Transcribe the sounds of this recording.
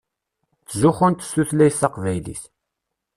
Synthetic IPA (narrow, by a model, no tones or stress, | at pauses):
θzuχənt̪sːuθlæjsɑqvæjlḭθ